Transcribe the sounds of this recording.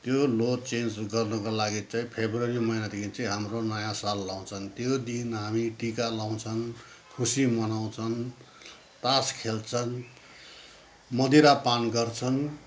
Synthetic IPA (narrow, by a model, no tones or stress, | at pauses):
t̪jolot͡send͡zɡʌrnʌkolaɡit͡saĩpʰebrʌɾimʌinad̪ekʰint͡sĩɦamronʌjãsalːaw̃t͡sʰʌnt̪jod̪inɦamiʈikalaw̃t͡sʰʌn | kʰusimʌnaw̃t͡sʰʌn | t̪askʰelt͡sʰʌn | mʌd̪iɾapanɡʌrt͡sʰʌn